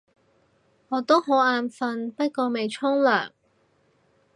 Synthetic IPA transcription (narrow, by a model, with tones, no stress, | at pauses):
ŋɔː˨˧t̪o˥wɦo˨˥waː˧nfɐ˧npɐ˥t̚kɔː˧me˨˩jt͡sʰʊ˥ŋlœ̰ː˨˩ŋ